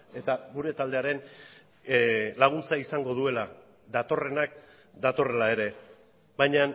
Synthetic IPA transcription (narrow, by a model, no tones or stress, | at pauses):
e̞t̪aɡuɾe̞t̪ald̪e̞aɾe̞n | laɣ̞unt͡saisaŋɡo̞ð̞ue̞la | d̪at̪o̞re̞nak̚ | d̪at̪o̞re̞lae̞ɾe̞ | bajɲan